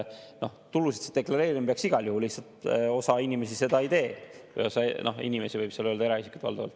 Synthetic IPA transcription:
no̞ht̪ulusit̪sit̪e̞klɑɾe̞ːɾimpeɑksiɡ̥ɑljuhulːiht̪sɑlt̪o̞sɑinʲime̞sise̞d̪̥ɑit̪e̞ːvɤ̰jo̞sɑno̞̰hḭnʲime̞sivɤjb̥seløːld̪ɑeɾɑisi̥kˑu̥t̪vɑ̰ld̪ɑvɑ̰lt̪ː

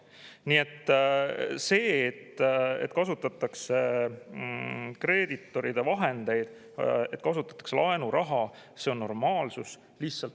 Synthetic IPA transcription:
niːe̞t̪ːˑ | se̞ːet̪ːe̞t̪kɑsut̪ːˑɑt̪ːˑɑkse | kre̞ːd̪it̪ːˑo̞ɾid̪̥e̞vɑɦe̞nd̪̥e̞jd̪̥ | e̞t̪ːˑkɑsut̪ːˑɑ̥t̪ːˑɑ̥kslʔɑenuɾʔɑɦɑ | se̞o̞nːo̞rmɑːlsus | liçsɑlt̪

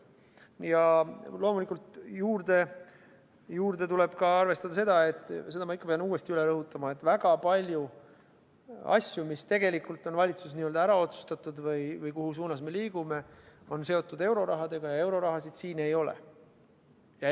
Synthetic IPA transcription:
jɑlo̞ːmulikːˑult̪juːrd̪̥e̞ | juːrd̪e̞t̪ule̞b̥kɑɑrve̞st̪ɑd̪ɑse̞d̪̥ɑe̞t̪ːˑse̞d̪̥ɑmɑikːɑpeɑnuːe̞st̪iyle̞ɾɤɦut̪ːˑɑmɑe̞t̪ːˑvæɡ̥ɑpɑlʲju | ɑ̰sjumist̪e̞ɡe̞likˑult̪ːˑo̞nvɑlʲit̪sus̬niø̞ld̪ɑæɾɑo̞t̪su̥st̪ɑt̪ːˑud̪vɤjvɤjkuɦusuːnɑsme̞liːɡ̥ume̞o̞nse̞o̞t̪ːˑud̪e̞wɾo̞ɾɑɦɑd̪e̞ɡ̥ɑjɑe̞wɾo̞ɾɑɦɑsid̪̥siːne̞jo̞lḛ | jɑ

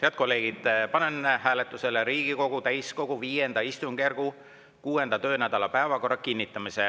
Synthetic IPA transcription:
heɑd̪̥̚ko̞lːe̞ːɡ̥id̪̥pɑnenhæːlet̪ːˑuse̞leɾiːɡ̥iko̞ɡ̥ut̪æjsko̞ɡ̥uviːje̞nd̪̥ɑist̪uŋɡ̥erɡ̥u | kuːe̞nd̪̥ɑt̪ø̞ːnæd̪̥ɑlɑpæevɑko̞rːɑkinʲːit̪ːˑɑmise

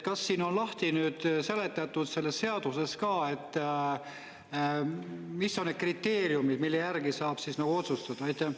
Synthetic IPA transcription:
kɑsːiːno̞nlɑht̪inyːd̪̥se̞le̞t̪ːˑɑt̪ːˑud̪̥se̞lːesːe̞ɑd̪̥use̞skɑːe̞t̪ˑː | misːo̞nne̥krit̪ːe̞ːɾjumid̪milːejærɡisɑːb̥sisnɑɡ̥uo̞t̪sust̪ɑd̪̥ɑɑjt̪ːˑe

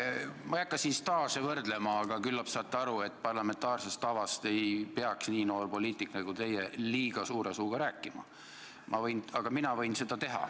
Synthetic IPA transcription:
mɑækˑːɑsinst̪ɑːsevɤrd̪le̞mɑːɡ̥ɑkylːɑpsɑːt̪ːˑeɑɾue̞t̪ːˑpɑrlɑme̞nt̪ˑɑːrse̞st̪ːɑvɑst̪e̞jpeɑksniːnoːrpo̞liːt̪ˑikːnɑɡ̥ut̪e̞jeliːɡ̥ɑsuːɾesuːɡ̥ɑɾæːkːˑimɑ̰ | mʔɑ̰vɤjnɑɡ̥ɑminɑvɤ̞jnse̞d̪̥ɑt̪e̞ɦɑ̰

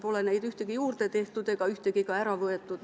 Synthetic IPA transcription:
polenæit̪yht̪ekijuːrt̪et̪eht̪ut̪ekɑyht̪ekikɑærɑʋoet̪ːut̪

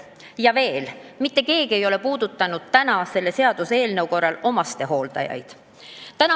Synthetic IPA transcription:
jɑve̞ːlmit̪ːe̞ke̞ːɡie̞jo̞le̞puːd̪ut̪ːˑɑnud̪̥̚t̪ænɑse̞lːe̞se̞ɑd̪̥useːlne̞wko̞rːɑlo̞mɑst̪e̞ɦo̞ːld̪̥ɑ̰jɑ̰jd̪̥ | t̪ænɑ

